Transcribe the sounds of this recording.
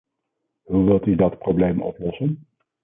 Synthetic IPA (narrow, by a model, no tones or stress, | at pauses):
ɦuʋɪlˠtydɑtprowblejmɔ̰plɔsən